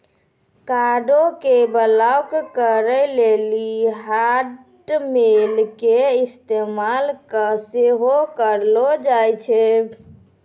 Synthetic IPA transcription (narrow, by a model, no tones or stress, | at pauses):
kaɖokebəlawkkəɾəleliɦa | ʈmelkeist̪emalkəseɦokəɾlɔd͡ʒajt͡ʃʰɛ